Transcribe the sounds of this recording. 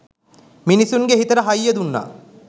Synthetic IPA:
minisuŋɡeɦit̪ɐɾɐɦɐjːəd̪unːa̰ː

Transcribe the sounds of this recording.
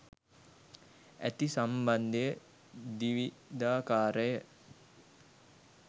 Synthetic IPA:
æ̰t̪isamband̪ejə | d̪iʋi | d̪aːkaːɾəjə

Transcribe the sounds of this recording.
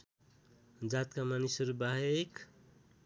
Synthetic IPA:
d͡zat̪kamanisʌɾubaɦek

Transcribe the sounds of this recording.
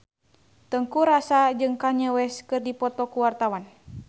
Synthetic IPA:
t̪əŋkuɾasad͡ʒɨŋkaɲəwɛskɨrdipɔt̪ɔkuwart̪awan

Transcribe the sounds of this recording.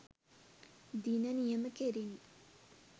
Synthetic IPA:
d̪inənjəməkeɾen

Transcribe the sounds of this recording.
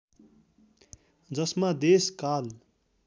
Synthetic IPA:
d͡zʌsmad̪eskal

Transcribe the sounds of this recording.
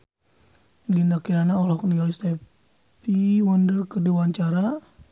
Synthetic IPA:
ɡind̪akiɾanaɔlɔkniɡalist̪ɛ | piwɔndərkəduwaɲt͡ʃaɾa

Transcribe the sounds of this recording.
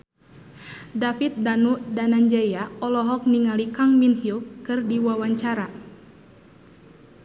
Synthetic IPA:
dafit̪̚danuʔdanaɲd͡ʒajaɔlɔɦɔk̚niŋalikaŋminhilkɨrdiwawaɲt͡ʃaɾa

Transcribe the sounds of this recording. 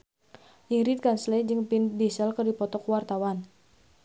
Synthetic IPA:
ʔiŋɾit̪̚kanslɛd͡ʒɨŋpindisəlkərdipɔt̪ɔkwart̪awan

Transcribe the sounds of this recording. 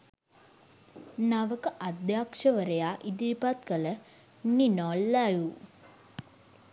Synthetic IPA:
naʋəkəʔad̪jaːkʂəʋəɾejaːʔid̪iɾipat̪kələ | ninɔlːaju

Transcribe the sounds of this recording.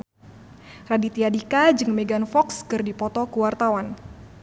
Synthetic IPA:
radit̪iadikad͡ʒɨŋmeɡanfɔkskɨrdipɔt̪ɔkuwart̪awan

